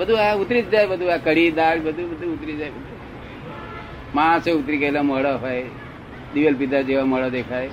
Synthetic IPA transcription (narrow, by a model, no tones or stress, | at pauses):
bəd̪ʱuaut̪ɾit̪d͡zajbəd̪ʱuakəɽid̪aɽbəd̪ʱubəd̪ʱuut̪ɾid͡zajbəd̪ʱu | maseut̪ɾikəjlaməɽɔɦɔj | d̪iʋəlpid̪ʱad͡ʒeʋaməɽəd̪ekʰaj